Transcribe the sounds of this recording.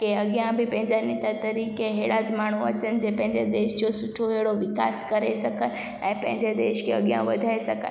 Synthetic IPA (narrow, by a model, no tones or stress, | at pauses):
keɐɠijãbɪpɐ̃ɦɪ̃ɲd͡ʑanɪt̪at̪ɐɾiːkeɦeːɽaːd͡ʑmaːɳ̤uɐ̰t͡ɕənɪ̆d͡ʑeːpɐ̃ɦɪ̃ɲd͡ʑed̪eːʃd͡ʑosʊʈʰoɦeɽoʋɪka̰ːskɐɾesɐkʰən | ɛ̰̃ːpɐ̃ɦɪ̃ɲd͡ʑed̪eːʃkʰḛɐɠijã̰ʋɐ̰d̪ʱaːesɐkʰə̰n